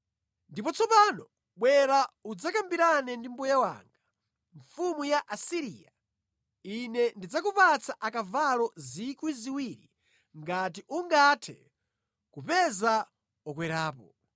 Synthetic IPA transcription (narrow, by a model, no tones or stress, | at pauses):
ndipɔt͡sʰɔpanɔ | ɓwɛɾaud͡zakambiɾanɛndimbujawa̰ːŋɡa | ɱfumujaʔasiɾḭːa | inɛndid͡zakupat͡saʔakavalɔzikwiziwiɾḭ | ŋɡat̬iʔuŋɡatʰɛ̰ | kupɛza | ɔkwɛɾaːpɔ